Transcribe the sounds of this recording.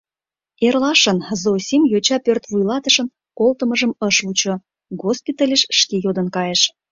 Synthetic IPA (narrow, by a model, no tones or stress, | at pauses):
erlɑʃənzosʲimjot͡ɕɑpørt̪βujlɑt̪əʃə̆n | kolt̪əməʒəməʃut͡ɕo | ɡospit̪ɑlʲeʃːkejod̪ənkɑjeʃ